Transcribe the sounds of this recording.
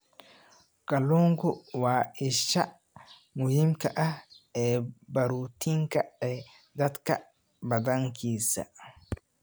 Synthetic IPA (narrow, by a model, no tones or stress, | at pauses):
kɐluŋɡuwaːɪʃːa | mʊhimkaʔaɛbɐɾut̪iŋkaɗɛ | d̪ɐt̪ka̰ | bɐd̪ɐŋkiːsa̰